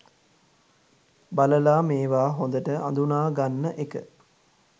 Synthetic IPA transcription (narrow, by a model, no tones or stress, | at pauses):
baləlaːmeːʋaːɦond̪əʈəʔa̰nd̪unaːɡanːəʔekə̰